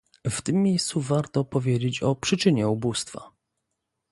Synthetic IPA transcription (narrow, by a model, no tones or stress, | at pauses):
ft̪ɘmʲːejst̪suvaɾt̪ɔpɔvʲjed͡ʑet͡ɕɔpʂɘt͡ʂɘɲɛubust̪fa̰